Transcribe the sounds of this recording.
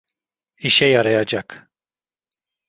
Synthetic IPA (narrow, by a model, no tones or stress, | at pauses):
iʃɛjaɾajad͡ʒak